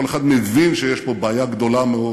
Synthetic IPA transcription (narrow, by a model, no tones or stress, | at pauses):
oleχad̪mevinʃejeʃpobaːjaɡd̪o̞lameo